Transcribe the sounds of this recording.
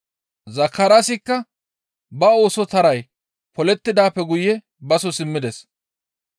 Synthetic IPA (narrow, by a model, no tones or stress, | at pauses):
zɐkːɐɾasɪkːɐ | bɐo̞ːsɔt̪ɐɾɐj | pɔlɛt̪ːɪd̪aːpːɛɡʊjːɛ | bɐsɔsɪmːɪd̪ɛs